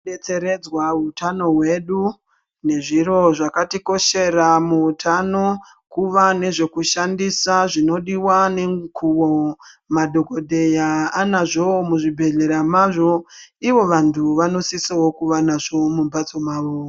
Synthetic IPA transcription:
et͡se̞ɾe̞d͡zwautʰano̞ɦwe̞ɗu | ne̞ʐiro̞ʐakatiko̞ʃe̞ɾamuutʰano̞ | kuʋane̞ʐe̞kuʃandisaʐino̞ɗiwane̞ŋkuwomadʱo̞ko̞dʱe̞jaːnaʐomuʐibʱe̞ɮe̞ɾamaʐo̞iʋo̞ʋantʰuʋano̞sisawo̞kuʋanaʐo̞mumbat͡so̞maːʋoː

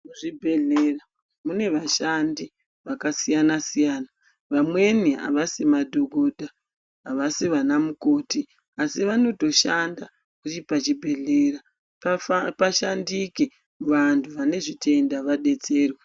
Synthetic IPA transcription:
uʐibʱe̞ɮera | mune̞ʋaʃandi | ʋakasijanasijaːna | ʋamwe̞nia̰ʋasemadʱo̞ɡʱo̞dʱaː | ʋasiʋanamuko̞ːti | asiʋano̞to̞ʃanda | kut͡ʃipat͡ʃibʱe̞ɮera | ppaʃandike | ʋantʰuʋane̞ʐitʰe̞ndaʋaɗe̞t͡se̞ːrwe

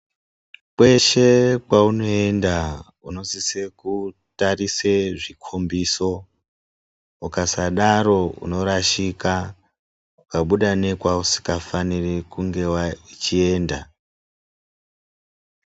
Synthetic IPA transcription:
kwe̞ʃe̞kwauno̞e̞nda | uno̞siseku | tariseʐikʰombiːso̞ | ukasaɗaɾo̞ṵno̞ɾaʃika | ukaɓuɗane̞kwausi̥kafanirekuŋɡe̞wait͡ʃie̞ːnda

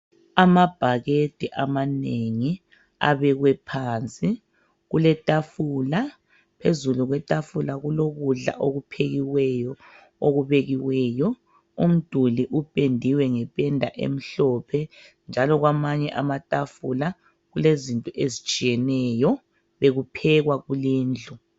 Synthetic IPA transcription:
amab̥ʱaɣetʼiʔamaneŋi | a̰βɛɣwɛpʰaːnt͡sʼi | ɣulɛtʼafula | pʰezuluɣwɛtʼafulaɣuloɣuɮa̰ʔoɣupʰeɣiwɛjɔ | oɣuβeɣiwɛjɔ | um̩d̥ʱuliʔupʼendʱiwɛŋɛpʼɛndʱa̰ʔḛm̩ɬɔpʰɛ | nd͡ʒʱalɔɣwamaɲɛʔamatʼafula | ɣulezintʼɔʔezit͡ʃʼijɛnɛːjɔ | βeɣupʰɛɣwaɣuliːnd͡ɮʱɔ

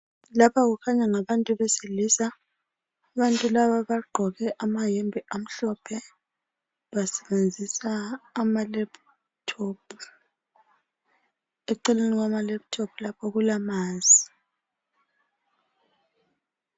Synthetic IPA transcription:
lapʰaɣukʰaɲaŋaβantʼuβɛselisa | aβantʼulaβaβaɡ͡ǃʱɔɣɛʔamajembʱiʔam̩ɬɔpʰɛ | βasɛβend͡zʱisaːmalɛp | tʰoːpʰu | euǀɛleniɣwamalɛp̚tʰopʰulapʰɔɣulamaːnzʱi

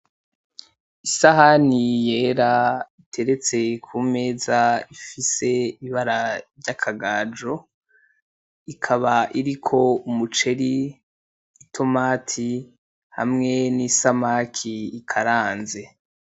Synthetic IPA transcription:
isahanije̞ːɾaitʰe̞ɾe̞t͡se̞kʰume̞ːzaifise̞iiβaɾavɟakʰaɡaːd͡ʒo | ikʰaβaʔiɾikʰo̞umut͡ʃe̞ɾiː | tʰo̞maːtʰi | ha̰mŋe̞nisamakʰiːkʰaɾaːnze̞

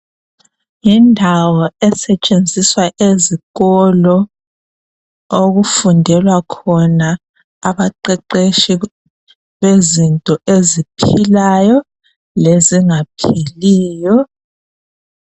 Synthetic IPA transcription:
jindʱawɔɛsɛt͡ʃʼend͡zʱiswaʔeziɣɔlɔ | oɣufundʱɛlwakʰɔnaː | βaǃɛǃeʃi | βezintʼɔezipʰilajɔ | leziŋapʰiliːjɔ

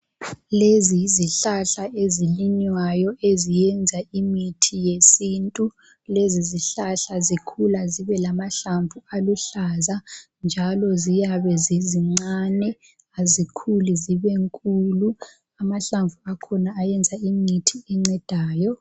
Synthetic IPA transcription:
leziiziɬaɬaeziliɲwajɔʔezijɛnd͡zʱaimitʰijesiːntʼu | leziziɬaɬazikʰulaziβɛlamaɬaɱvualuɬaza | nd͡ʒʱalɔzijaβɛziziŋ͡ǀanɛ | azikʰuliziβɛŋkʼulu | amaɬaɱvuakʰɔnaːjɛnd͡zʱaimitʰiɛŋ͡ǀɛd̥ʱaːjɔ

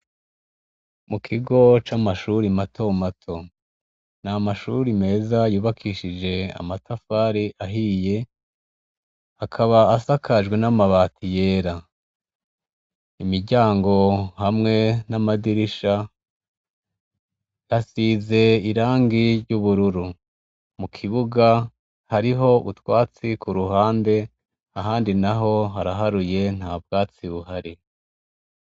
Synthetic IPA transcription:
mukʰiɡo̞t͡ʃamaʃuɾimatʰo̞matʰo̞ | namaʃuɾime̞ːzajuːβakʰiːʃid͡ʒe̞a̰matʰafaːɾiʔaɦiːje̞ | hakʰaβaːsakʰaʒɡwe̞namaβaːtʰije̞ːɾa | imiɾɟaːŋɡo̞hamŋe̞namadiɾiʃa | jasiːze̞iɾaːŋɡiɾɟuβuɾuɾu | mukʰiβuɡa | haɾiɦo̞ʔutwaːt͡sikuɾuɦaːnde̞ | aɦaːndinaɦo̞ɦaɾaɦaɾuje̞n̥haːb̚ɡaːt͡siβuɦaɾi

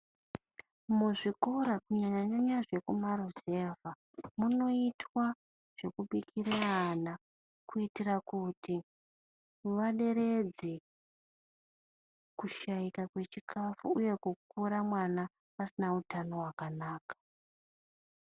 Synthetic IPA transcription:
muʐikoɾakuɲaɲaɲoɲaʐe̞kumaɾozeva | muno̞itʰwa | ʐ̥e̞kuɓikʰiɾeɦana | kuitirakuti | ʋaɗe̞ɾe̞d͡zi | kuʃaikakwe̞t͡ʃikʰafuuje̞kukuɾamwana | asinautano̞wakanaːkḁ

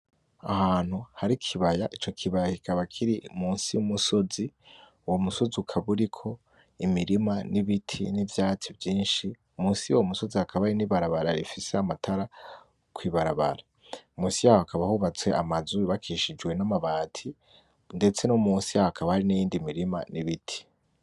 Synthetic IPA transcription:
a̰haːn̥huhaɾikʰiβajaʔit͡ʃo̞kʰiβajakikaβakʰiɾimuːnsiumuso̞zi | uwomuso̞ziukʰaβuɾikʰo̞ | imiɾimaniβitʰinivjaːt͡sivjiːnʃi | umuːnsijowomuso̞zihakʰaβahaɾiniβaɾaβaɾaɾḭfise̞amatʰaɾa | kwiːβaɾaβa̰ɾa | umuːnsijaːhoakaβahuβat͡swe̞amazuiβakʰiʃid͡ʒwe̞namaβaːtʰi | nde̞t͡se̞nomuːnsijaːhoakaβahaɾinijiːndimiɾima̰niβitʰi̥

